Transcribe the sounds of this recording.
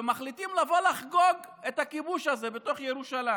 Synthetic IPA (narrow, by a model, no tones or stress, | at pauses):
emaχlitimlavo̞laχɡoɡ | et̪akibuʃazebet̪oχjeʁuʃala